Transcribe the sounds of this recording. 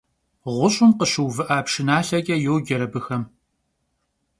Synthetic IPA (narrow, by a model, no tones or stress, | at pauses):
ʁʷʊɕʼʊmqəɕɨwvɨʔaːpʂɪnaːɬɐɡʲʼɐjowɡʲɐɾɐbɨxɐm